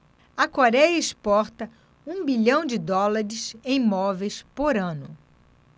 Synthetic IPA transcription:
ɐkoɾɛjɐɪspɔɾt̪ɐ | ũbiʎɐ̃w̃d͡ʒɪd̪ɔlaɾɪsẽj̃mɔvejspoɾɐ̃nʊ

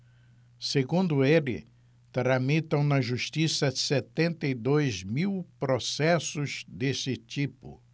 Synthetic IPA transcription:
seɡũnd̪ʊelɪ̰ | t̪ɾɐmit̪ɐ̃w̃nɐʒuʃt̪isɐset̪ẽnt̪ɐid̪ojzmiwpɾosɛsʊzd̪esɪt͡ʃ̪ipʊ̰

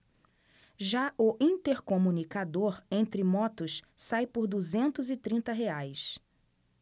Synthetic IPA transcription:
ʒaʔʊʔĩnt̪eɾkomũnikad̪oɾẽnt̪ɾɪmɔt̪ʊssajpʊɾd̪uzẽnt̪ʊzɪt̪ɾĩnt̪ɐɦeajs

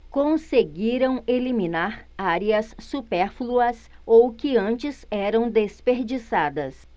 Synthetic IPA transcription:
kõseɡiɾɐ̃w̃elimĩnaɾaɾiɐsːupɛɾfluɐsowkɪɐ̃nt͡ʃɪzɛɾɐ̃w̃d̪espeɾd͡ʒisad̪ɐs

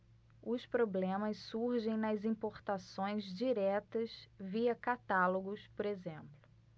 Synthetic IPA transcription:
ʊspɾoblẽmɐssuɾʒẽj̃nɐzĩpoɾt̪asõj̃zd͡ʒiɾɛt̪ɐsviɐkat̪aloɡʊspoɾezẽmplʊ

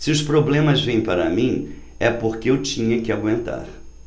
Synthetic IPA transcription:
sɪʊspɾoblẽmɐzvẽj̃paɾɐ̰mĩ | ɛpoɾkɪewt͡ʃĩɲɐkɪaɡwẽnt̪a̰ɾ

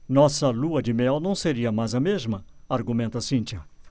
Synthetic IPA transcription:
nɔsɐluɐd͡ʒɪmɛwnɐ̃w̃seɾiɐmajzɐmezmɐ | aɾɡumẽnt̪ɐsĩnt͡ʃɐ

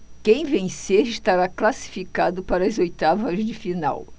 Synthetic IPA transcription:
kẽj̃vẽj̃seɾɪst̪aɾaklasi̥fikad̪ʊpaɾɐzojt̪avɐzd͡ʒɪfina̰w

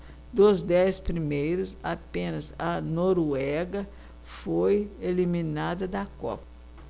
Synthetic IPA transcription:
d̪ozd̪ɛspɾimejɾʊzapẽnɐzɐnoɾuɛɡɐ | fojelimĩnad̪ɐd̪ɐkɔ̰pɐ

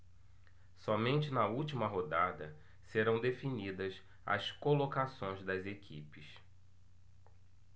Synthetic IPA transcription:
sɔmẽnt͡ʃɪnɐuwt͡ʃimɐɦod̪ad̪ɐ | seɾɐ̃w̃d̪efinid̪ɐs | ɐ̰skolokasõj̃zd̪ɐzekʰipɪs

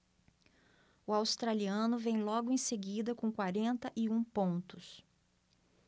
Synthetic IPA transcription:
ʊawst̪ɾaliɐ̃nʊvẽj̃lɔɡʊẽj̃seɡid̪ɐkõkwaɾẽnt̪ɐʔɪũpõnt̪ʊs

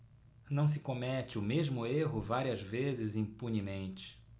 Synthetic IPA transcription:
nɐ̃w̃s̬ɪkõmɛt͡ʃɪʊmeʒmʊeɦʊvaɾiɐzvezɪzĩpuɲimẽnt͡ʃɪ̥

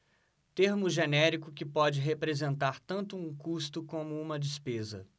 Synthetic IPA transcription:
t̪eɾmʊʒenɛɾikʊkɪpɔd͡ʒɪɦepɾezẽnt̪aɾt̪ɐ̃nt̪ʊũkust̪ʊkõmʊũmɐd͡ʒɪspezɐ̰

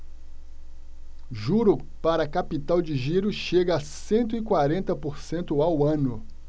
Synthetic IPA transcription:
ʒuɾʊpaɾɐkapit̪awd͡ʒɪʒiɾʊʃeɡɐːsẽnt̪ʊɪkwaɾẽnt̪ɐpoɾsẽnt̪ʊawɐ̃nʊ

